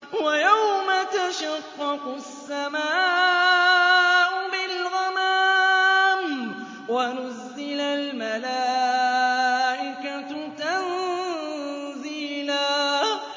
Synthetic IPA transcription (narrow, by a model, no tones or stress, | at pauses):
wajawmat̪aʃaqːɑqʊsːamaː | ʔʊbɪlɣɑmaː | m | wanʊzːɪlalmalaː | ʔɪkat̪t̪an | ziːla